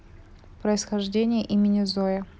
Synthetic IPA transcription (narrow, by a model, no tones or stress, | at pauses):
pɾəɪsxɐʐdʲenʲɪjəʔimʲɪnʲɪzojə